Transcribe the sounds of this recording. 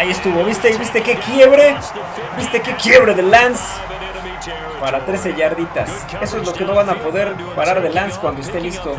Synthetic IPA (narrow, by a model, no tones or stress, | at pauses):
aiest̪uβo̞βist̪e̞iβist̪e̞ke̞kjeβɾe̞ | bist̪e̞ke̞kje̞βɾe̞ðe̞lans | paɾat̪ɾe̞se̞ʝaɾðit̪a̰s | e̞so̞ezlo̞ke̞no̞βanapo̞ðe̞ɾ | paɾaɾðe̞lanskwand̪oest̪elist̪o